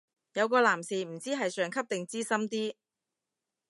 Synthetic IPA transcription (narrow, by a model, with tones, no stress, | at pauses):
jɐ˨˧wkɔː˧laː˨˩msiː˨m̩˨˩t͡siː˥ɦɐ˨jsœː˨˩ŋkʰɐ˥p̚t̪ɪ˨ŋt͡siː˥sɐ˥mt̪iː˥